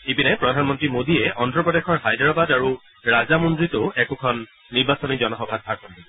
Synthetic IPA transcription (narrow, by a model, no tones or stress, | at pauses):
ebinajpɹɔdʱanmɔntɹimodiɛʔɔndɹɔpɹɔdexʰɔɹɦajdɹabadaɹu | ɹazamundɹitʊɛkʊkʰɔnː | iɹbasɔnizɔnɔxɔbʱaɡ̚bʱaɹkɔna